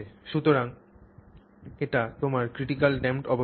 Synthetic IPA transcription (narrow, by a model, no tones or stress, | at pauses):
eʃut̪oɾaŋ | eʈat̪omaɾkɾiʈikalɖemʈɔbo